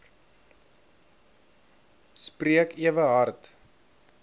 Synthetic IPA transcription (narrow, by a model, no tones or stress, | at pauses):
spriəkiəvəɦɐrt